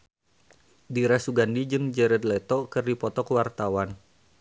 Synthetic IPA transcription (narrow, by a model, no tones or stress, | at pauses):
diɾasuɡandid͡ʒɨŋd͡ʒɛɾɛd̪lɛt̪ɔkɨrdipɔt̪ɔkəwart̪awan